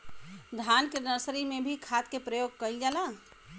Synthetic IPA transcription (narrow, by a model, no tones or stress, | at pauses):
d̪ʱankenəsɾimẽbʱikʰat̪kepɾəjoːɡ̚kəild͡ʒaːla